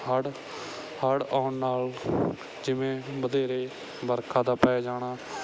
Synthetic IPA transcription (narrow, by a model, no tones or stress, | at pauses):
ɦəɽ | həɽaːʊnnaːl | d͡ʒɪʋẽːbəd̪eːɾeː | bəɾkʰaːd̪aːpɛːaːd͡ʒaːɽ̃aː